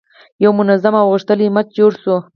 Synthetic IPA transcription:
jawmʊnazamawɣəʂt̪əlimat͡ʃ̚d͡ʒoɽsu

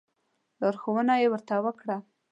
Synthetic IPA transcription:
lɑɾxowənajewəɾt̪awəkɽa

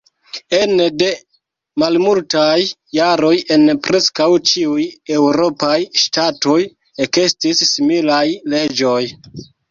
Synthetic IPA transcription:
e̞nde̞ | malmultajː | aɾo̞je̞npɾe̞skawt͡ʃiuje̞wɾo̞pajʃtato̞j | eke̞stisːimilajle̞d͡ʒo̞j

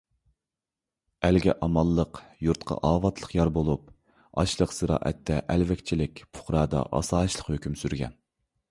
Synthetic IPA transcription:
ælɡʲɛ̰ʔɑmɑlˠːəqjuɾt̪qʰɑ̰ʔɑːvɑt̪ʰlˠəqjɑɾbolˠup | ɑʃlˠəqsɨɾɑ̰ːʔɛt̪ʰːɛʔɛlvɛkʲt͡ʃʰilɪkʲpʰʊ̥χɾɑːd̪ɑ̰ʔɑ̰sɑːʃlˠəqhøkʲymsyɾɡʲɛ̰n

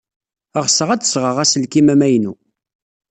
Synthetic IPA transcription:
əʁsəʁæt͡sːsʁəʁæsəlkimæmæjnṵ

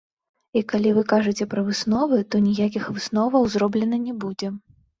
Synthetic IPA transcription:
ikalʲivɨkaʐɨt͡sʲɛpɾɐvɨsnɔvɨt̪ɔnʲijak̬ʲixvɨsnɔvɐwzɾɔblʲɛnɐnʲɛbud͡zʲɛ

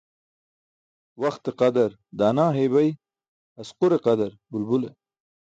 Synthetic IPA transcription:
wɐxt̪eqad̪aɾ | d̪aːnaːɦeβɐj | ɐsqʊɾeqad̪aɾbʊlbule

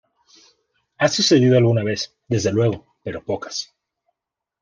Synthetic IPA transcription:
asuse̞ðiðo̞alɣunaβe̞s | d̪e̞zðe̞lwe̞ɣo̞ | pe̞ɾo̞po̞kḁs

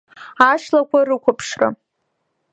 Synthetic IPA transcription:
aʃlakʷarɨkʷʊpʰʂra̰

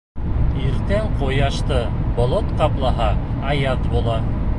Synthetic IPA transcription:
iɾt̪æŋqujɑʃt̪ɤ | bŏlˠot̪qɑplˠɑɦɑ | ɑjɑt̪bulˠɑ

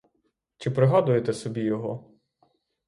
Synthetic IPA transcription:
t͡ʃɪpɾɪɦɑd̪ʊjet̪ɛsɔbʲijɔɦɔ

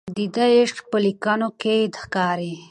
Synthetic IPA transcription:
d̪id̪aeʂʈpəlikanoked̪xkɑːɾi

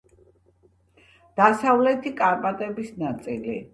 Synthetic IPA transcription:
d̪̥asavlɛt̪ʰikʼaɾpʼat̪ʼɛbisnat̪sʼilḭ

